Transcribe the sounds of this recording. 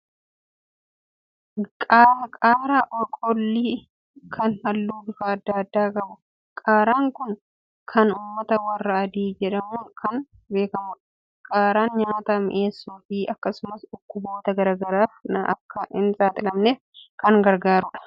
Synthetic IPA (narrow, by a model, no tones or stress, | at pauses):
kʼaːkʼaːɾaːʔɔkʼɔlːiː | kʰɐnhɐlːuːbɪfaːɐd̪ːaːɐd̪ːaːkɐbʊ | kʼaːɾaːŋkʊn | kʰɐnuːmːɐt̪ɐwɐrːɐɐd̪iːd͡ʒɛᶑɐmuːŋkʰɐn | be̞ːkɐmʊᶑɐ̥ | kʼaːɾaːnɲaːt̪amɪ̰ʔeːsːoːfiːʔɐkːɐsʊmɐsᶑʊkːʊbo̞ːt̪ɐɡɐɾaːɡɐɾaːfnɐ̰ʔɐkːɐɪnsʼaːt̪ʼɪlɐmneːfkɐŋɡɐɾɡaːɾʊᶑɐ̥